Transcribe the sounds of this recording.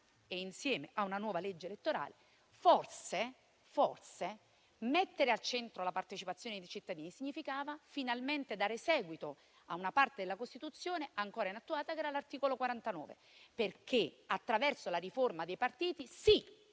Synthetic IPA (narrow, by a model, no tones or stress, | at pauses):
einsjɛːmeʔaunanwɔːvaled͡ʒːelet̪ːoɾa̰ːle | forse | forse | met̪ːeɾealt͡ʃent̪ɾolapart̪et͡ʃipat̪sːjoːned̪ejt͡ʃit̪ːad̪iːnisiɲːifikaːvafinalment̪ed̪aːɾesɛːɡwit̪o | aunapart̪ed̪elːakost̪it̪ut̪sːjoːneʔaŋkoːɾainat̪ːuaːt̪akeɛːɾalart̪iːkolokwaɾant̪anɔ̰ːvḛ | perkʰeat̪ːɾavɛrsolariformad̪ejpart̪iːt̪isi